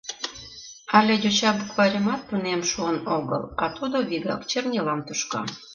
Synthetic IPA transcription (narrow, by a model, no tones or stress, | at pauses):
ɑlʲedut͡ɕɑbukβɑɾʲəmɑt̪̚punemʃuənoɣə̰lɑt̪ud̪oβiɣɑ̰kt͡ɕernʲelɑmt̪uʃkɑ̰